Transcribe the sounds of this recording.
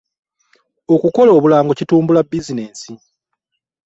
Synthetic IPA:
o̞kuko̞loːβulaːŋɡo̞cituːmbulabːizine̞ːnsi

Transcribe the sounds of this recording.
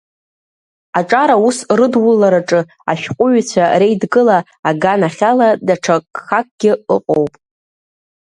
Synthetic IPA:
aʈ͡ʂʼaɾausrɨdwʊlːaɾaʈ͡ʂʼɨ | a̰ʃᶣqʷʼʊɥt͡ɕʷʰare̞jdɡɨlaː | ɡanaχʲaladaʈ͡ʂʰakʼχak̚ʼɡ̥ʲɪɨqʼowpʼ

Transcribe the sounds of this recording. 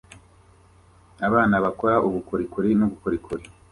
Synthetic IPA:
aβaːnaβakoɾaʔuɡukuɾikuɾinuɡukuɾikʰuɾi

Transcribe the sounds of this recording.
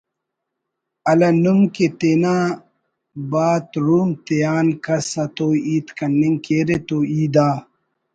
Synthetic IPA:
ɐlɐnumket̪eːnaː | baːt̪ɾuːmt̪ejaːnkɐsɐt̪oːiːt̪kɐnːiŋkeːɾet̪oːiːd̪aː

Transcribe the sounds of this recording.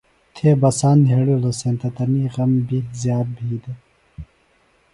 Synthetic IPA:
t̪ʰeːbɐsaːnd̪ʱeːɽuːloseːnt̪ɐt̪ɐniːʁɐmbizjaːt̪̚bʱiːd̪e

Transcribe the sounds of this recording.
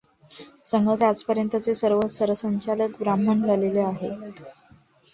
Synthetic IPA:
səŋɡʱət͡sad͡zpəɾjənt̪ət͡sesəɾʋəsəɾʋəsəɲt͡ɕaləkbɾamənd͡zʱaleleaɦe

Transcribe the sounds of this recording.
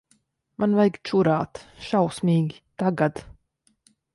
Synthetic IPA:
manvajɡt͡ʃuɾaːt̪ʃawsmʲiːɡʲit̪aɡad̪

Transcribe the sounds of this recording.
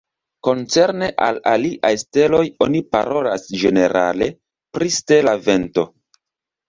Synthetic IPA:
ko̞nt͡se̞ɾne̞ʔa̰laliʔajste̞lo̞jo̞nipa̰ɾo̞lasd͡ʒe̞ne̞ɾa̰le̞ | pɾiste̞lave̞nto̞

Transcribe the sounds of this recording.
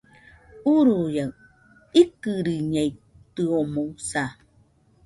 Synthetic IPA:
uɾuja | ikɨɾiɲej | t̪ɨomousa

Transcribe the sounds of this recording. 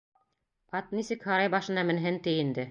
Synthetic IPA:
ɑt̪nisɘkhɑɾɑjbɑʃɤ̆nɑmɘ̆nɦɘnt̪ɘjind̪ɘ

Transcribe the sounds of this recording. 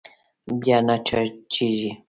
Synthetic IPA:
bjanat͡ʃat͡ʃɪʒɪ

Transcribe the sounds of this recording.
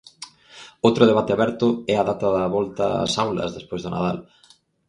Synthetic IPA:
owt̪ɾʊð̞eβat̪ɪaβɛɾt̪ʊɛaðat̪ɐðɐβɔlt̪ɐ̰sawlɐ̰zðespojzðʊna̰ðal

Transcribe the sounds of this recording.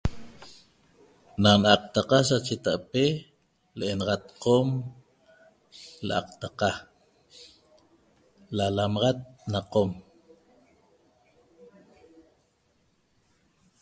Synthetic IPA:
nanʔaq̚t̪aqɑs̬at͡ʃet̪aʔpe | leʔenɑʁɑt̪qom | lʔɑ̰q̚t̪aqɑ | lalamɑʁat̪̚naqom

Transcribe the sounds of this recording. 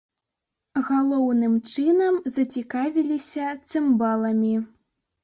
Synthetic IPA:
ɣalˠɔwnɨmt͡ʂɨnɐmzɐt͡sʲikavʲilʲisʲɐt̪sɨmbalˠɐmʲi

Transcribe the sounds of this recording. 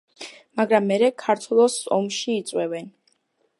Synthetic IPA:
maɡɾamːɛɾɛkʰaɾt̪ʰwɛlˠɔsɔmʃiːt̪sʼwɛvɛn

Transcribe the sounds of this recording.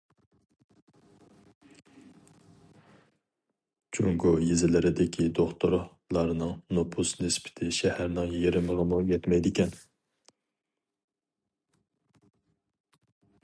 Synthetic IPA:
t͡ʃʰoŋɡujezɪlɪɾɪd̪ɪkʲʰid̪oχt̪ʰʊɾ | lˠɑɾnɨŋnopʰusnɨspʰɪ̥t̪ʰɪʃɛhæɾnɪŋjiɾɪmɨʁɑmujɛt̪mɛjd̪ɪkʲɛn

